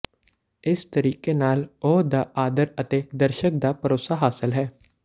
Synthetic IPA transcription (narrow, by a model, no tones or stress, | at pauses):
ɪst̪əɾiːkeːnaːloːd̪aːʔaːd̪əɾət̪eːd̪əɾʃək̚d̪aːpəɾoːsaɦaːsɪlɦɛː